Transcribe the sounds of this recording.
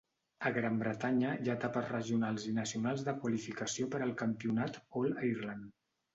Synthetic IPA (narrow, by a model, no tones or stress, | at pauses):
əɣɾambɾət̪aɲəjaːt̪apəzrəʒiunalˠzinəsiunalˠzðəkwəlifikəsiopəɾəlˠkəmpiunat̪ɔləiɾlan